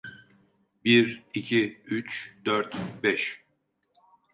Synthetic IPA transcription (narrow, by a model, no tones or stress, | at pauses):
biɾicʰiyt͡ʃd̪øɾt̪bɛʃ